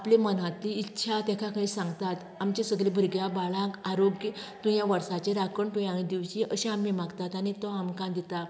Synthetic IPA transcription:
aplemənãt̪liːtːɕʰat̪ɛ̃kʰãkʰəĩsãŋɡt̪at̪ | amt͡ɕesəɡɭebʱəɾɡjabaɭãkaɾoɡjət̪ũjaʋəɾsat͡ɕeɾakʰəɳʈʰojaɽ̃id̪iʋɕiʔəɕẽamːimaɡt̪at̪aɽ̃it̪ɔamkãd̪it̪a

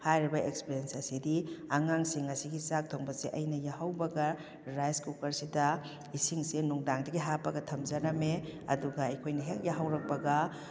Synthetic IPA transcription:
hajɾibɐʔekspiɾensɐsidiaŋaŋsiŋɐsiɡisak̚tʰoŋbɐseʔɐjnɐjaɦɐwbɐɡɐ | ɾajskukɐɾsidɐ | isiŋsenuŋdaŋdɐɡiɦapːɐɡɐtʰɐmzɐɾɐmeɐ̰duɡɐɐjkʰojnɐɦek̚jaɦɐwɾɐk̚pɐɡɐ

